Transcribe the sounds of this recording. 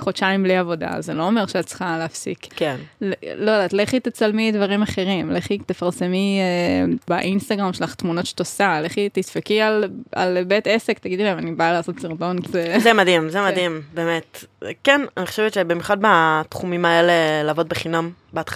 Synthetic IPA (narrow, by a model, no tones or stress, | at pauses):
χot͡ʃaimbliavo̞da̰zelo̞ome̞ʁʃeat̪̚t͡sχaleafsḭkkenllojedaːt̪leχlit̪et͡salmidvaʁimaχe̞ʁimleχit̪efaʁsemiebaʔinst̪aɡʁamʃelaχt̪munotʃe̥t̪osaleχlit̪isfekiala̰lbet̪esekt̪aɡid̪ilmanibaalaːso̞t̪siʁt̪o̞nkizezɛmadimzemadimbeːmetkɛnaniχo̥ʃevet̪ʃebimjuχad̪̚bat̪χumimaelelaːvo̞d̪̚beχinam | beat̪